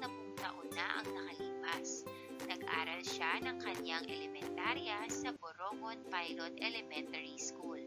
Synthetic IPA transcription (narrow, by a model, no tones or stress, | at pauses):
nɐmʊŋt̪ɐʔʊnːaʔɐ̰ŋnɐkɐliːpas | nɐɡ̚ʔa̰ːɾɐlʃanɐŋkɐɲaŋʔɛlɛmɛnt̪aɾjɐsɐboɾoŋonpajlot̪ɛlɛmɛnt̪ɐɾiskul